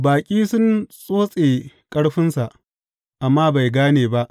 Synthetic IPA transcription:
baː˨kʲʼiː˦sʊ˦nsʼoː˦sʼeː˨kʼɐ˦ɽɸɪ˦nsa˨ʔ | ʔa˨mːaː˦ba˨jɡaː˦neː˨ba˦ʔ

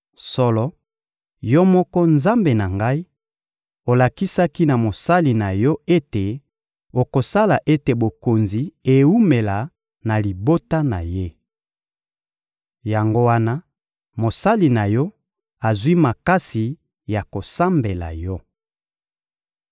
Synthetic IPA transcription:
sɔ˦lɔ˦ | jɔ˦mɔ˦kɔ˦nza˦mbe˨na˨ŋɡa˦i˦ | o˨la˨ki˦sa˦ki˦na˨mo˨sa˦li˨na˨jɔ˦e˦te˨ | o˨ko˨sa˦la˨ʔe˦te˨bo˨ko˨nzi˨e˨u˦me˨la˨ | na˨li˨bo˦ta˦na˨je˦ | ja˨ŋɡo˦wa˦na˦ | mo˨sa˦li˨na˨jɔ˦ | a˨zwi˦ma˨ka˦si˨ | ja˨ko˨sa˦mbe˨la̰˨jɔ˦

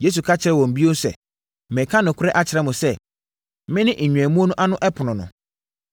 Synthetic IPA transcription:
je˦s̬u˨kʰa˦t͡ɕʰɪ˦ɾɛ˨wɔ̃˨m̩˨bi˦o˦sɛ̰˨ | mɛ̃˨kʰa˦nʊ̃˨kʰʊ˦ɾɛ˦ʔa˦t͡ɕʰɪ˨ɾɛ˦mʊ̃˨sɛ˦ | mɪ̃˦nɪ̃˦ʔ̩˨ɲᶣũ˨æ˨mũ˦o˦nʊ̃˦ʔa˦nʊ̃˦ʔɛ˦pʰʊ˨nʊ̃˨nʊ̰̃˨

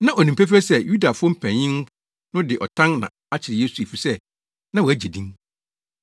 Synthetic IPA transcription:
nã˦ʔɔ˨nĩ˨m̩˨pe˦f̬ɾɛ˦sɛ˦ju˦da˨fʊ˦ɔ˦m̩˦pʰæ̃˨ɪ̃˦n˦ | nʊ̃˦dɪ˨ʔɔ˨tʰã˦nnã̰˨ | a˦t͡ɕʰɪ˨ɾɪ˨je˦su˨e˨fi˨sɛ˦ | nã˦wæ˦d͡ʑe˨dĩ˦ŋ

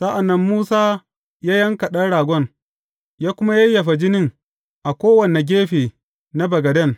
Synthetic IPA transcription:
sa˦ʔa˨nːɐ˦mːuː˦saː˦ | jaː˦jɐ˦ŋkɐ˨ɗɐ˦ɽaː˨ɡʷɔ˦ŋ | jaː˦kʷʊ˦ma˦jɐ˦jːɐ˨ɸa˨d͡ʒɪ˦nɪ˦ŋ | ʔa˨kʷoː˦wɐ˨ne˨ɡʲeː˦ɸeː˨ | na˦bɐ˨ɡɐ˨dɐ˦˨n

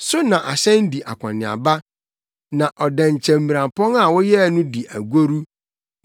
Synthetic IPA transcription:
sʊ˦nã˨ʔa˨ɕɛ̃˦n˦di˨ʔa̰˨kʰʷã̰˨nɪ̃˨a̰˨ba˦ | nã˨ʔɔ˨dɛ̃˨ɲ˨t͡ɕʰɛ̃˨m̩ːi˨ɾã˨mpʰɔ̃˦ŋa˨wɔ˦jɛ˦˨nʊ̃˦di˨ʔæ˨ɡo˦ɾu˦

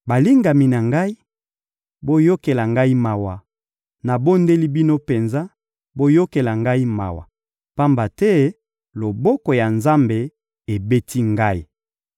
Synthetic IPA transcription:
ba˨li˦ŋɡa˨mi˨na˨ŋɡa˦i˦ | bo˦jo˦ke˨la˨ŋɡa˦i˦ma˨wa˨ | na˨bo˦nde˦li˦bi˦no˦pe˨nza˦ | bo˦jo˦ke˨la˨ŋɡa˦i˦ma̰˨wa̰˨ | pa˦mba˨tɛ˦ | lo˨bo˦ko˨ja˨nza˦mbe˨ | e˨be˦tʰi˦ŋɡa˦i˨

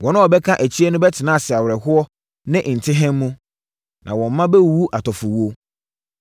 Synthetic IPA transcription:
wɔ̃˨nʊ̃˦ɔ˨bɛ˦kʰã˦ʔæ˨t͡ɕʰi˦ɛ˦nʊ̃˦bɛ˦tʰɪ˨nãː˦˨sɪ˨a˨wɾɛ˨hʊ˦ɔ˦ | nɪ̃˦n̩˨tʰɪ˦ɦɛ̃˦mː˦ũ˦ | nʔã̰˨wɔ̃˨m˦mã˦bɛ˦˨wu˦ʔa˨tʰɔ˨fʊ˨wo˦

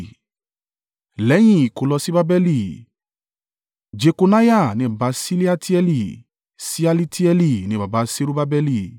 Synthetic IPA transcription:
lɛ˨˦j̃ĩ˦˨i˨ko˨lɔ˧si˦ba˦bɛ˧li˧˨ | d͡ʒe˧ko˧na˦ja˦˨nĩ˧˦˨ba˨˧˦si˦li˦a˦˧tʰi˦ɛ˧li˦˨ | si˦a˧li˦tʰi˦ɛ˧li˦˨nĩ˧˦˨ba˨ba˧˦se˦ɾu˦ba˦bɛ˧li˦˨

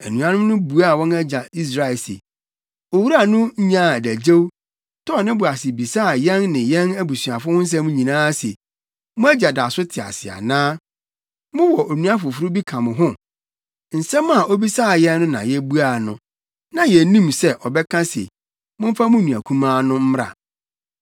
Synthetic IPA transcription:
æ˨nũ˨ã˦nʊ̃˦nʊ̃˦bu˨a˦˨wɔ̃˦næ˦d͡ʑa˨i˦s̬ɾa˨ɪ˨lsḛ˨ | o˨wu˦ɾa˦˨nʊ̃˦ɲ̩˦ɲã˦˨dæ˨d͡ʑe˦w | tʰɔ˦˨nɪ̃˦bʊ˨a˨sɪ˨bi˨sa˦˨jɛ̃˦nnɪ̃˨jɛ̃˦næ˦bu˨sɥa˨fʊ˦hʊ̃˦n̩˦s̬ɛ˦mʊ̃˦ɲĩ˨nãː˦sḛ˨ | mʊ̃˦æ˦d͡ʑa˨da˨sʊ˦tʰɪ˨a̰˨sɪ̰˨a̰˨nãː˦ | mʊ̃˦wɔ˨ʔo˨nũ˦a˦fʊ˨fu˦ɾʊ˦bi˦kʰã˨mʊ̃˨ɦʊ̃˦ | n̩˨sɛ̃˦ma˨ʔo˦bi˦saː˦˨jɛ̃˦nːʊ̃˦nã̰˨jɛ˦bu˦a˦˨nʊ̰̃˨ | nã˨jɛ˨nĩ˦msɛ˦ʔɔ˨bɛ˦kʰã˦sḛ˨ | mʊ̃˦m̩˦fa˦mʊ̃˦nũ˨æ̰˨kʰũ˦mãː˦nʊ̃˦m̩˦m˦ɾa̰˨

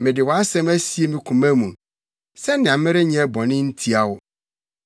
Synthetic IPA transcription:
mɪ̃˨dɪ˨wɔ˨a˦sɛ̃˦mæ˦si˦e˦mɪ̃˨kʰũ˨mæ̃˦mũ˨ | sɛ˦nɪ̃˨a˨˦mɪ̃˦ɾɪ˦ɲɛ̃˨˦ɛ˦bɔ̃˨nɪ̃˦n̩˦tʰi˦a˨wʊ˦

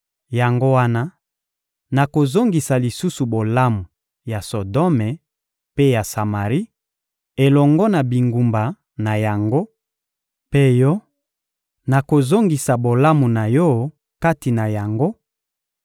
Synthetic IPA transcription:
ja˨ŋɡo˦wa˦na˦ | na˨ko˨zo˦ŋɡi˨sa˨li˨su˦su˨bo˨la˦mu˨ | ja˨so˨dɔ˦me˨ | pe˦ja˨sa˨ma˨ʁi˦ | e˨lɔ˨ŋɡɔ˦na˨bi˨ŋɡu˨mba˨ | na˨ja˨ŋɡo˦ | pe˦jɔ˦ | na˨ko˨zo˦ŋɡi˨sa˨bo˨la˦mu˨na˨jɔ˦ | ka˦ti˨na˨ja˨ŋɡo˦

